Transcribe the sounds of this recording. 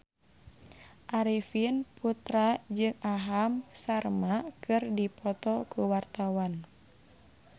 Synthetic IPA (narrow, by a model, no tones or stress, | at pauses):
ʔaɾifinput̪ɾad͡ʒɨŋaɦamsarmakʰɨrdipʰɔt̪ɔkuwart̪awan